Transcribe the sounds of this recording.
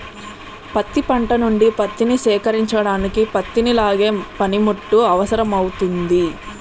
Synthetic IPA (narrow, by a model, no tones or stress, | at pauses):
pɐt̪ːipɐɳʈɐnuɳɖipɐt̪ːinisɛːkɐɾiɲt͡ʃɐɽaːnikipɐt̪ːinilaːɡeːpɐnimuʈːuɐʋɐsɐɾɐmɐwut̪und̪i